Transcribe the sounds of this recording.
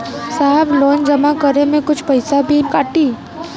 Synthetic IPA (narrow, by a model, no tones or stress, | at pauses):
saːɦɪbloːnd͡ʒɐmakəɾemẽkʊt͡ʃʰpɐɪsabʱikaːʈiː